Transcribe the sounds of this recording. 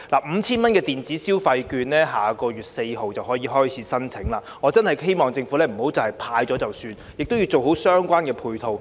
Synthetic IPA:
laː˨˩m̩˨˧t͡sʰiː˥nmɐ˥nkɛː˧t̪iː˨˩nt͡siː˨˥siː˥wfɐ˧jkyː˧nlɛː˥ɦaː˨kɔː˧jyː˨˩t̚se˧jɦo˨wt͡sɐ˨wɦɔː˨˥jiː˨˧ɦɔː˥jt͡sʰiː˨˥sɐ˥nt͡sʰɪ˨˥ŋlaː˧ŋɔ˨˧t͡sɐ˥nhɐ˨jɦe˥jmɔː˨˩ŋt͡sɪ˧ŋfuː˨˥lɛː˥m̩˨˩ho˨˥wt͡sɐ˨˩whɐ˨jpʰaː˧jt͡ʃɔː˨˥t͡sɐ˨wsyː˧n | jɪ˨k̚t̪o˥ji˧wt͡so˨wɦo˨˥wsœː˥ŋkʷaː˥nkɛː˧pʰuː˧jt̪ʰo˧w

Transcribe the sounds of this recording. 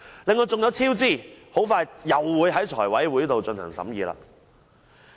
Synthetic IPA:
lɪ˨ŋːɔː˧t͡sʊ˨ŋjɐ˨˧wt͡sʰiː˥wt͡siː˥˩ho˨˥wfaː˧jjɐ˨˩wːuː˨˧˥jɦɐ˨˥jt͡ʃʰɔ̰ː˨˩jwɐ˨˥jwu˨˥jt̪o˨wt͡ʃɵ˧nhɐ̰˨˩ŋsɐ̰˨˥mjiː˨˧la̰ː˧

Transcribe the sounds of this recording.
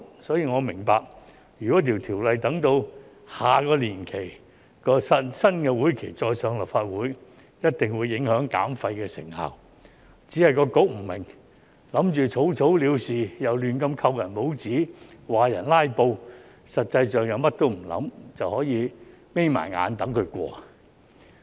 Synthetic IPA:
sɔː˨˥jiː˨˧ŋɔː˨˧mɪ˨˩ŋpaː˨˧k̚ | jyː˨˩kɔ˨˥t̪ʰi˨˩wt̪ʰiː˨˩wlɐ˨jt̪ɐ˨˧˥ŋt̪o˧w | haː˨kɔː˧liː˨˩nkʰe˨˩j | kɔː˧ssɐ˥nkɛː˧wuː˨˥jkʰe˨˩jt͡sɔː˧jsœː˨˧ŋlɐ˨˩p̚faː˧t̚wuː˨˥j | jɐ˥t̚t̪ɪ˨ŋwuː˨˧jːɪ˨˥ŋhœː˨˥ŋka̰ː˨˥mfɐ˧jkɛː˧sɪ̰˨˩ŋha̰ː˨˩w | t͡siː˨˥hɐ˨˩jkɔː˧ko˨˥k̚m̩˨˩mɪ˨˩ŋ | lɐ˨˥mt͡ʃyː˨t͡sʰo˨˥wt͡sʰo˨˥wliː˨˧wsiː˨jɐ˨wlyː˨nkɐ˧mkʰɐ˧wjɐ˨˩npo˨˥wt͡siː˨˥waː˨jɐ˨˩nlaː˥jpo˧w | sɐ˨t̚t͡sɐ˧jsœː˨ŋjɐ˨˧wmɐ˥t̚t̪o˥wm̩˨˩lɐ̰˨˥mt͡sɐ˨whɔː˨˥jiː˨˧me˥jma̰ː˨˩nŋa̰ː˨˧nt̪ɐ˨˥ŋkʰɵ˧ɥkʷɔ̰ː˧

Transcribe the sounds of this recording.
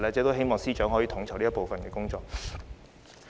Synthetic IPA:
lɛː˥t͡sɛ˧t̪o˥ɦe˥jmɔː˨ŋsiː˥t͡ʃœː˨˥ŋɦɔː˨˥jiː˨˧t̪ʰʊ˨˥ŋt͡sʰwli˥po˨wfɐ˨nkɛː˧kʊ˥ŋt͡sɔː˧k̚

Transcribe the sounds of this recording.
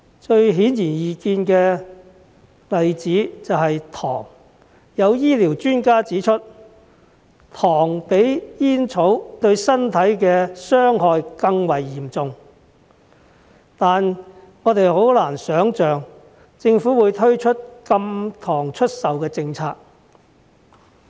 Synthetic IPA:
t͡ʃɵ˧ɥɦiː˨˥njiː˨˩njiː˨˧kiː˧nkɛː˧ | lɐ˨jt͡siː˨˥t͡sɐ˨wɦɐ˨jt̪ʰɔ̰ː˨˩ŋ | jɐ˨˧wjiː˥liː˨˩wt͡ʃyː˥nkaː˥t͡siː˨˥t͡ʃʰɵ˥t̚ | t̪ʰɔː˨˩ŋpe˨˥jjiː˥nt͡sʰo˨˥wt̪ɵ˧ɥsɐ˥nt̪ʰɐ˨˥jkɛː˧sœː˥ŋɦɔː˨˧jkɐ˧ŋwɐ˨˩jːiː˨˩mt͡sʊ˧ŋ | t̪aː˨n | ŋɔː˨˧t̪e˨jho˨˥wlaː˨˩nsœː˨˥ŋt͡ʃœː˨ŋ | t͡sɪ˧ŋfuː˨˥wuː˨˧jt̪ʰɵ˥ɥt͡ʃʰɵ˥t̚kɐ˧mt̪ʰɔː˨˩ŋt͡ʃʰɵ˥t̚sɐ˨wkɛː˧t͡sɪ˧ŋt͡sʰaː˧k̚

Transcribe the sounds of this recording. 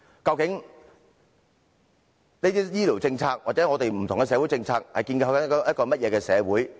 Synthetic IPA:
kɐ˧wkɪ˨˥ŋ | ne˥t̪iː˥jiː˥li˨˩wt͡sɪ˧ŋt͡sʰaː˧k̚wʔaː˨t̚t͡sɛ˨˥ŋɔː˨˧t̪e˨jm̩˨˩t̪ʰʊ˨˩ŋkɛ˧s̬ɛː˨˧wu˨˥jt͡sɪ˧ŋt͡sʰaː˧k̚hɐ˨jkiː˧nka˧wjɐ˥t̚kɔː˧mɐ˥t̚jɛː˨˧kɛː˧sɛː˨˧wuː˨˥j

